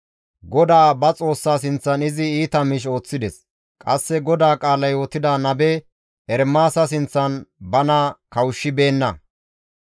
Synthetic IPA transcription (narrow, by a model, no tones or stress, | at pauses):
ɡɔd̪aːbɐt͡sʼo̞ːsːaːs̬ɪnt͡sːɐnɪzɪiːt̪ɐmɪʃ̬o̞ːt͡sːɪd̪ɛs | kʼɐsːɛɡɔd̪aːkʼaːlɐjɔt̪ːɪd̪anɐbɛ | ɛɾmːaːsɐs̬ɪnt͡sːɐnbɐnɐkɐwʊʃːɪbe̞ːnːɐ